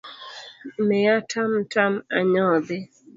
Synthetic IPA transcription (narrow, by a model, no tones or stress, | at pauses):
mejatʰamtʰamaɲɔbe